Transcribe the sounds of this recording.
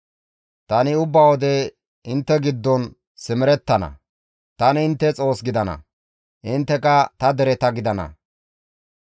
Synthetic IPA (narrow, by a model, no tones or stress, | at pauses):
t̪ɐnɪʊbːɐwɔd̪ɛ | ɪnt̪ːɛɡɪd̪ːɔn | sɪmɪɾɛt̪ːɐnɐ̰ | t̪ɐnɪɪnt̪ːɛt͡sʼo̞ːsɡɪd̪ɐnɐ̰ | ʔɪnt̪ːɛkɐt̪ɐd̪ɛɾɛt̪ɐɡɪd̪ɐnɐ̰